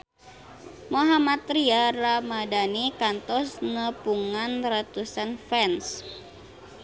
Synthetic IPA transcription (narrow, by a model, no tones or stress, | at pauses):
moɦamat̪ɾiaramadanikant̪ɔsnəpuŋanrat̪usanfɛns